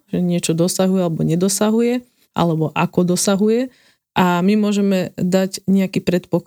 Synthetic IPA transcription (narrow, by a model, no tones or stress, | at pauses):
ʒɛɲɪɛt͡ʃɔd̪ɔsaɦujɛalɛbɔɲɛd̪ɔsaɦujɛ | ʔa̰lɛbɔʔakɔd̪ɔsaɦujɛ | ʔamimʊɔʒɛmɛd̪aɟɲɛakiːpɾɛt̪pɔk